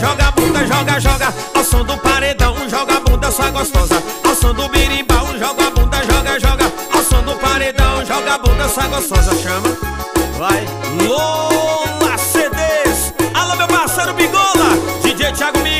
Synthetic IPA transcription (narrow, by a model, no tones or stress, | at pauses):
ʒɔɡabũd̪ɐʒɔɡɐʒɔɡɐ | awsɐ̃w̃d̪ʊpaɾed̪ɐ̃w̃ũʒɔɡabũd̪ɐsɔaɡost̪ɔzɐ | awsɐ̃w̃d̪ʊbiɾĩbawũʒɔɡabũd̪ɐʒɔɡɐʒɔɡɐ | awsɐ̃w̃d̪ʊpaɾed̪ɐ̃w̃ʒɔɡabũd̪ɐsɔaɡost̪ɔzɐʃɐ̃mɐ | vaj | lolased̪es | alõmewpaseɾʊmiɡolɐd͡ʒid͡ʒit͡ʃiaɡʊmi